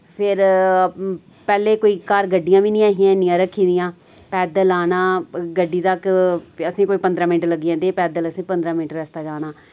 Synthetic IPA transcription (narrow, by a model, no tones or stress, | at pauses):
pʰɪɾ | pɛːleːkoːiːkaɾɡəɖɪjãːʋiːnĩːaːɦɪjãːnɪjãːɾəkʰːiːd̪ɪjãː | pɛːd̪əlaːnaːɡəɖːiːt̪əkəsĩːkoːiːpənd̪ɾãːmɪnʈləɡijãːd̪eːpɛːd̪ələsĩːpə̃nd̪ɾãːmɪnʈɾɛst̪aːd͡ʒaːnaː